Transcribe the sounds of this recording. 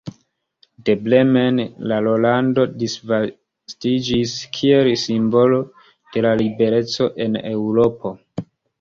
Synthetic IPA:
de̞ble̞menlalo̞lando̞disva | stid͡ʒiskʰie̞lsimbo̞lo̞ | d̥e̞lalibe̞ɾe̞t͡so̞ʔe̞ne̞wɾo̞po̞

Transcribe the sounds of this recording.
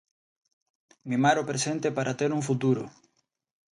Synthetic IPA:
mimaɾʊpɾesent̪epaɾʔat̪eɾuŋfut̪̬uɾʊ

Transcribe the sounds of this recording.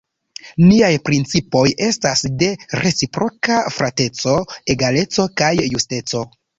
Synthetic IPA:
niajpɾint͡sipo̞je̞stasde̞ɾʔe̞t͡sipɾo̞kafɾate̞t͡so̞e̞ɡale̞t͡so̞kajːuste̞t͡so̞

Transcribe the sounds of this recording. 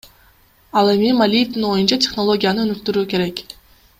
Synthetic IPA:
ɑlˠe̞mimalʲijefd̪ino̞junt͡ʃatʲe̞χno̞lˠo̞ɡʲijanɯɵ̞nyk̚t̪yɾuːke̞ɾe̞k

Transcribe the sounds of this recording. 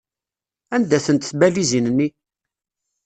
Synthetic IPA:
ænd̪æθənt̪θbælizinnːi

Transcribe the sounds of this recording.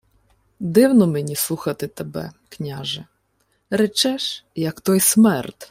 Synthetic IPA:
d̪ɪwnɔmenʲislˠuxɐt̪ɪt̪ebɛ̰knʲaʒɛ | ɾet͡ʃɛʃjɐkt̪ɔjsmɛrt̪

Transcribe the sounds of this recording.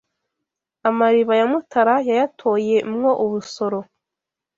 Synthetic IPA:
amaɾiβajamutʰaɾajajatʰo̞je̞umŋo̞ʔuβuso̞ɾo̞

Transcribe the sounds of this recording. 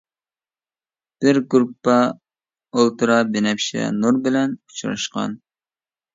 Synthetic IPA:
b̥ɪɾɡuɾupːɑ | olˠt̪ʰɨɾɑbenɛpʃɛ̰nuɾbɪlɛnu̥t͡ʃʰɾɑ̰ʃqɑ̰n

